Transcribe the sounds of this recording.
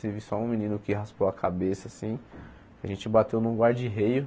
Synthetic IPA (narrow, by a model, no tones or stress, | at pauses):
zivɪsɔũmĩnĩnʊkɪɦaspowakʰabesɐsĩ | aʒẽnt͡ʃɪbat̪ewnũɡwaɾd͡ʒɪɦejʊ